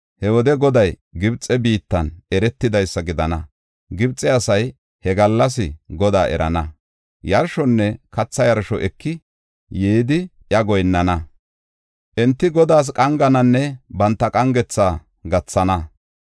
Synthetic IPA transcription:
hɛwɔd̪ɛɡɔd̪ɐj | ɡɪbt͡sʼːɛbiːt̪ːɐnɛɾɛt̪ːɪd̪ɐjsːɐɡɪd̪ɐnɐ | ɡɪbt͡sʼːɛɐsɐj | hɛɡɐlːɐs̬ɪɡɔd̪a̰ːʔɛ̰ɾɐ̰nɐ | jɐɾʃɔnːɛkɐt͡sːɐjɐɾʃɔ̰ʔɛkːɪ | jeːd̪ɪʔjɐɡɔjnːɐnɐ | ʔɛnt̪ːɪɡɔd̪aːs̬kʼɐŋɡɐnɐnːɛbɐnt̪ːɐkʼɐŋɡɛt͡sːaː | ɡɐt͡sːɐnɐ

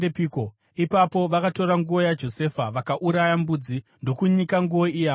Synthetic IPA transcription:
epiko | ipapo̞ʋakato̞ɾaŋɡuo̞jad͡ʒo̞se̞faʋakaʔuɾajambud͡zindo̞kuɲikaŋɡuwo̞ijaː

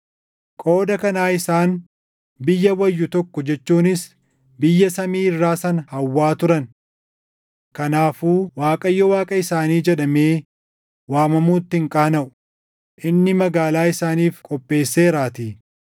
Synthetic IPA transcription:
kʼo̞ːd̪ɐkɐnaːɪsaːn | bɪjːɐwɐjːʊt̪ɔkːɔd͡ʒɛt͡ʃːuːnɪs | bɪjːɐsɐmiːɪrːaːsɐnɐhɐwːaːt̪ʊɾɐn | kɐnaːfuːwaːkʼɐjːɔwaːkʼɐɪsaːniːd͡ʒɛᶑɐmeː | waːmɐmuːt̪ːɪɪŋkʼaːnɐʔʊ̥ | ʔɪnːɪmɐɡaːlaːɪsaːniːfkʼɔpʼːe̞ːsːe̞ːɾaːt̪iː

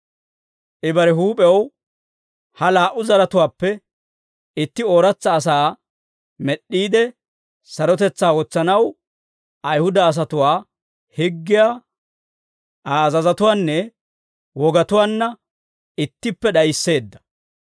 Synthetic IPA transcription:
ʔɪbɐɾɛɦuːpʼɛw | hɐlaːʔʊzɐɾɐt̪ʊwaːpːɛ | ɪt̪ːɪoːɾɐt͡sːɐːs̬aː | mɛɗːiːd̪ɛ | sɐɾɔt̪ɛt͡sːaːwɔt͡sːɐnɐw | ɐjhʊd̪ɐːs̬ɐt̪ʊwaː | hɪɡːɪjaː | ʔaːzɐzɐt̪ʊwaːnːɛ | wɔɡɐt̪ʊwaːnːɐ | ɪt̪ːɪpːɛɗɐjsːe̞ːd̪ːɐ̥

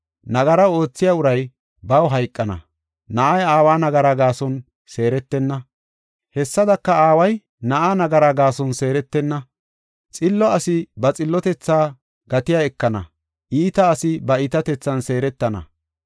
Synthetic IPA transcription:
nɐɡɐɾɐo̞ːt͡sːɪjaːʊɾɐj | bɐwɦɐjkʼːɐnɐ̰ | nɐʔɐjaːwaːnɐɡɐɾaːɡaːsɔn | se̞ːɾɛt̪ːɛnːɐ | hɛsːɐd̪ɐkːɐaːwɐj | nɐʔaːnɐɡɐɾaːɡaːsɔnse̞ːɾɛt̪ːɛnːɐ | t͡sʼɪlːɔɐsɪbɐt͡sʼɪlːɔt̪ɛt͡sːaː | ɡ̥ɐt̪ɪjaɛkːɐnɐ̰ | ʔiːt̪ɐːsɪbɐɪt̪ɐt̪ɛt͡sːɐnse̞ːɾɛt̪ːɐnɐ̰

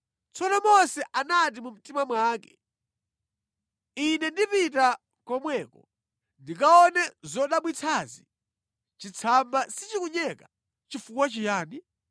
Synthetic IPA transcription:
t͡sɔnɔmɔsɛʔanat̬imum̩timamwaːkɛ̥ | inɛndipita | kɔmwɛːkɔ | ndik̬aɔnɛzɔɗaɓwit͡sʰazi | t͡ʃit͡sʰambasit͡ʃikuɲɛka | t͡ʃifukwat͡ʃijaːni

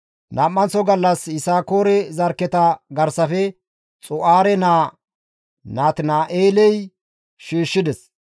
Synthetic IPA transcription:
naːmːɐnsɔɡɐlːɐsɪsaːko̞ːɾɛzɐɾkːɛt̪ɐɡɐɾsɐfɛ | t͡sʼʊʔaːɾɛnaː | naːt̪ɪnaːʔeːlɛj | ʃiːʃːɪd̪ɛs

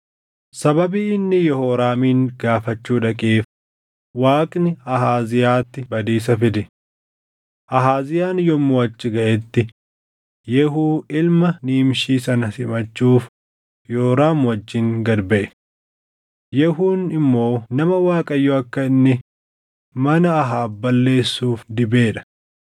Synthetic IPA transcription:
sɐbɐbiɪnːɪjɔhoːɾaːmiːnɡaːfɐt͡ʃːuːᶑɐkʼeːf | waːkʼnɪɐɦaːzɪjaːt̪ːɪbɐd̪iːs̬ɐfɪd̪ɛ | ʔɐɦaːzɪjaːnjɔmːoɐt͡ʃːɪɡɐʔɛt̪ːɪ | jɛɦuːɪlmɐniːmʃiːsɐnɐsɪmɐt͡ʃːuːf | joːɾaːmwɐd͡ʒːɪŋɡɐɾbɛʔɛ | jɛɦuːnɪmːo̞ːnɐmɐwaːkʼɐjːoːɐkːɐɪnːɪ | mɐnɐɐɦaːbɐlːe̞ːsːuːfd̪ɪbeːᶑɐ̥

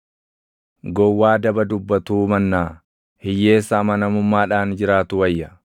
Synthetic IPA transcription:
ɡɔwːaːd̪ɐbɐd̪ʊbːɐt̪uːmɐnːaː | hɪjːe̞ːsːɐmɐnɐmʊmːaːᶑaːnd͡ʒɪɾaːt̪ʊwɐjːɐ

